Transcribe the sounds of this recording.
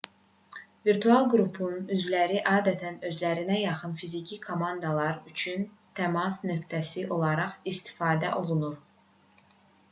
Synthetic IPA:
viɾt̪ʰuɑlˠɡɾupʰunyzlæɾiʔɑːd̪æt̪ʰænø̞zlæɾinæjɑχɯnfizicʰikʰo̞mɑnd̪ɑlˠɑɾyt͡ʃʰynt̪ʰæmɑsnø̞kt̪ʰæsiʔo̞lˠɑɾɑχist̪ʰi̥fɑːd̪æʔo̞lˠunuɾ

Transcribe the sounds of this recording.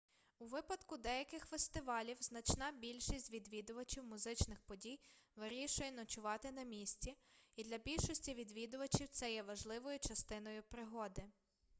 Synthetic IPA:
uʋɪpɐd̪kʊd̪ɛjɐkɪxfest̪ɪʋɑlʲiwznɐt͡ʃnɑbʲilʲʃisʲtʲʋʲid̪ʋʲid̪ʊʋɐt͡ʃiwmʊzɪt͡ʃnɪxpɔdʲijʋɪɾʲiʃʊjɛnɔt͡ʃʊʋɑt̪ɪnɐmʲisʲt͡sʲiid̪lʲɐbʲilʲʃɔsʲtʲiʋʲid̪ʋʲid̪ʊʋɐt͡ʃiwt̪sɛjɛʋɐʒlˠɪʋɔjʊt͡ʃɐst̪ɪnɔjʊpɾɪɦɔd̪ɪ

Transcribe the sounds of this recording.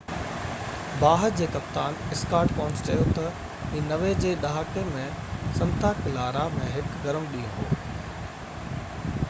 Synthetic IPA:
baːɦəɾd͡ʑeːkɐpt̪aːnɪskaːɾʈkɔ̃ɦʊ̃nt͡ɕt͡ɕɐjot̪ɐ | ĩːnɐʋed͡ʑeːɗaɦakemẽ | sɐ̃nt̪ʰaːkɪlaːɾamẽɦɪkɡɐɾəmɗĩːũɦo̰ː

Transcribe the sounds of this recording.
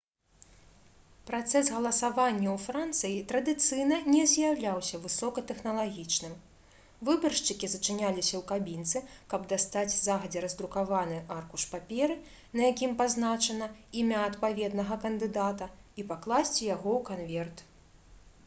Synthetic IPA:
pɾat̪sɛsɣɐlˠɐsavanʲːɐwfɾant̪sɨjit̪ɾɐd̪ɨt̪sɨjnɐnʲɛzʲjawlʲawsʲɐvɨsɔkɐt̪ɛxnɐlˠaɣʲit͡ʂnɨm | vɨbɐrʂt͡ʂɨkʲizɐt͡ʂɨnʲalʲisʲɐwkabʲint̪sɨkɐbd̪ast̪ad͡zʲzaɣɐd͡zʲɛɾɐzd̪ɾukavanɨʔarkuʂpapʲɛɾɨ | nɐjakʲimpaznat͡ʂɐnɐimʲaːt̪pavʲɛd̪nɐɣɐkɐnd̪ɨd̪at̪ɐipaklˠasʲt͡sʲijaɣɔwkanvʲɛrt̪

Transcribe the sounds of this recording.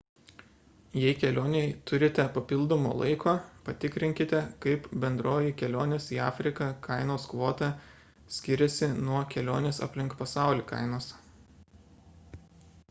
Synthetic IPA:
jɛɪkʲɛlʲoːnʲɛɪt̪ʊɾʲɪt̪ʲɛpɐpʲɪlˠd̪oːmo̰ːlˠɐ̰ɪkoːpɐt̪ʲɪkɾʲɪŋʲkʲɪt̪ʲɛkɐɪpbʲɛnd̪ɾoːjɪkʲɛlʲoːnʲesiːɑ̰ːfʲɾʲɪkɐkɐɪnoːskʋoːt̪ɑ | sʲkʲɪɾʲɛsʲɪnuɔkʲɛlʲo̰ːnʲeːsɐ̰pʲlʲɪŋkpɐsɑˑʊlʲiːkɐ̰ˑɪnoːs

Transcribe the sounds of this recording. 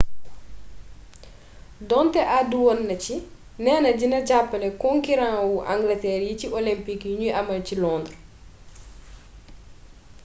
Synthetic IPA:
dɔntɛʔaduwɔnːɐci | nɛːnɐɟinɐɟapːɐlɛkɔŋkiɾãːwuʔã̰ŋɡlɐtɛːɾjiciʔɔlimpikjuɲuʔɐmɐlcilɔndr

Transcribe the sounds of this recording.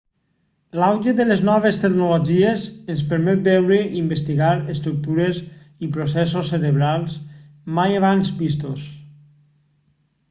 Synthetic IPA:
lawʒed̪eleznɔβ̞est̪eknuloʒiezenspəɾmɛt̪̚bɛwɾeʔimbest̪iɣaɾest̪ɾuk̚t̪uɾez | ipɾosɛsosːeɾeβɾalˠs | majaβ̞anzbist̪os

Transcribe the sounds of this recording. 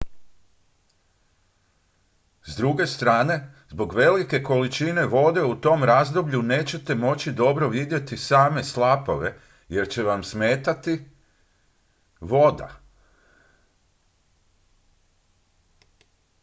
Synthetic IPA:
zd̪ɾuɡe̞st̪ɾaːne̞zbo̞ɡʋe̞like̞ko̞lit͡ʃine̞ʋo̞d̪e̞ut̪o̞mɾazd̪o̞bʎune̞ːt͡ɕe̞t̪e̞mo̞t͡ɕid̪o̞bɾo̞ʋid̪je̞t̪isaːme̞slapo̞ʋe̞ | je̞ɾt͡ɕe̞ʋamsme̞ːt̪at̪i | ʋo̞d̪a̰

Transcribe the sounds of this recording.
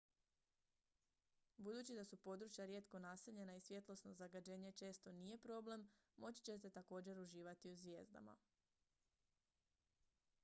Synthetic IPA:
bud̪uːt͡ɕid̪asupo̞d̪ɾut͡ʃjaɾje̞t̪ko̞nase̞ʎe̞naisʋje̞t̪lo̞sno̞zaɡad͡ʑe̞ːɲe̞t͡ʃe̞ːst̪o̞nije̞pɾo̞ble̞mmo̞t͡ɕi̥t͡ɕe̞t̪̬e̞t̪ako̞ːd͡ʑe̞ɾuʒiːʋat̪iuzʋje̞̰ːzd̪a̰ma̰

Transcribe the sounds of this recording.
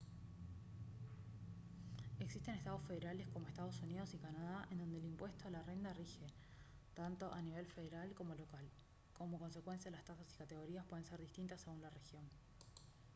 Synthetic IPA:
e̞ksist̪e̞nest̪að̞o̞sfe̞ðeɾale̞sko̞mo̞est̪að̞o̞sunið̞o̞sikanaðaʔend̪o̞nd̪elimpwe̞st̪o̞alare̞nd̪arixe̞ | t̪ant̪o̞ʔaniβ̞e̞lfe̞ð̞eɾalko̞mo̞lo̞kal | ko̞moko̞ns̬e̞kwe̞ns̬jaðelast̪asasi̥kat̪e̞ɣ̞o̞ɾiaspwe̞ðe̞nse̞ɾðist̪int̪asːe̞ɣunlare̞xjo̞n

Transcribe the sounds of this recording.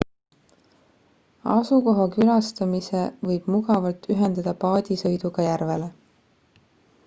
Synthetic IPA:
ɑ̰suko̞ɦɑkylɑst̪ɑmise̞vɤjb̥muɡɑvɑlt̪ːyɦe̞nd̪̥ɑd̪̥ɑpɑːd̪̥ʲisɤ̞jd̪uɡ̥ɑjærve̞le̞

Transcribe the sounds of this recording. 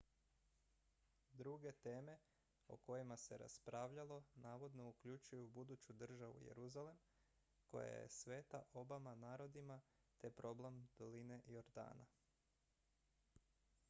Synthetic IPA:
d̪ɾuɡe̞t̪e̞ːme̞ | o̞̰ko̞jimase̞ɾa̰spɾaːʋʎalo̞naːʋo̞d̪no̞ukʎut͡ʃujubud̪ut͡ɕud̪r̩ʒaʋṵjḛɾuzale̞m | ko̞̰ja̰jḛsʋe̞ːt̪aʔo̞bamanaːɾo̞d̪ima | t̪e̞pɾo̞ble̞md̪̥o̞line̞ʔjoɾd̪a̰ːna̰

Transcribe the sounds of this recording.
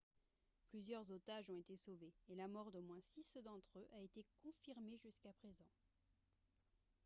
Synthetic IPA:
plyzjœʁzot̪aʒɔ̃et̪esoveːlamɔʁd̪omwɛ̃sisd̪ɑ̃t̪χøʔaet̪ekɔ̃fiʁmeʒyskapχezɑ̃

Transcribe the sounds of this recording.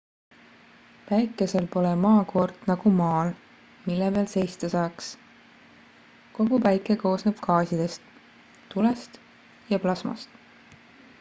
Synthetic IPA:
pæjkːˑe̞selpo̞lemɑːko̞rd̪̥nɑɡ̥umɑːl | milːeveːlse̞jst̪esɑːks | ko̞ɡupæjkːˑeko̞ːsneb̥kʰɑːsid̪̥e̞st̪ː | ulest̪ | jɑplɑsmɑ̰st̪

